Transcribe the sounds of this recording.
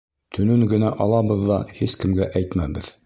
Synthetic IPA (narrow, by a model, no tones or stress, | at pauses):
t̪ʰɵ̆nɵŋɡɘ̆næʔɑlˠɑβɤ̆ðːɑhiskɘ̆mɡæʔæjt̪mæbɘð